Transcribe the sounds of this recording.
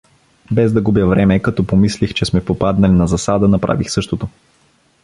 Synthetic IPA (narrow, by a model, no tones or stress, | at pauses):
bɛzd̪ɐɡubjəvɾɛmɛkɐt̪ɔpomislixt͡ʃɛsmɛpopad̪nɐlinɐzɐsad̪ənɐpɾa̰vixsɤʃt̪ot̪o